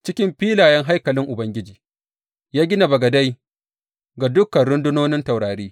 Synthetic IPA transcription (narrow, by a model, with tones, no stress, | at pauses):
t͡ʃɪ˦kʲɪ˦mɸiː˦laː˨jɛ˦ŋɦa˦jkɐ˨lɪ˦ŋʔʊ˨bɐ˦ŋɡʲɪ˦d͡ʒiː˨ | jaː˦ɡʲɪ˦na˨bɐ˨ɡɐ˨da˦j | ɡa˨dʊ˦kːɐ˨nɽʊ˦ndʊ˦noː˦nɪ˦nta˨wɽaː˨ɾiː˦